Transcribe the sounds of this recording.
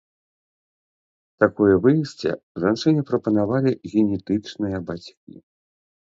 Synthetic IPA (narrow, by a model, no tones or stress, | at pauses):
t̪akɔjɛvɨjisʲt͡sʲɛ̰ʐanʂɛnʲɛpɾɐpɐnavalʲiɣʲɛnʲɛt̪ɨt͡ʂnɨjɐbat͡sʲkʲḭ